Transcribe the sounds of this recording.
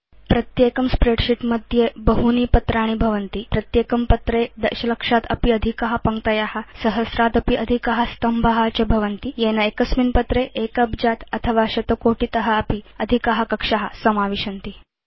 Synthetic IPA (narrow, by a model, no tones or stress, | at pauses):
pɾɐt̪jekɐmspɾeɖɕiʈməd̪ʱjebəɦuniːpɐt̪ɾaːɽ̃ibʱɐʋənt̪ipɾɐt̪jekɐmpət̪ɾed̪ɐɾɕɐləkʂat̪ɐ̰piɐd̪ʱikaɦapɐŋkt̪ɐjahasɐɦəsɾat̪ɐpiʔɐd̪ʱikaɦəst̪ɐmbʱəɦat͡ɕɐbʱɐʋənt̪ijenaekəsminpət̪ɾeʔekəbd͡ʑat̪ɐt̪ʰəʋaɕɐt̪okoʈit̪ɐɦəɐpiɐd̪ʱikaɦɐkɐkʂaɦasɐmaʋiɕɐnt̪i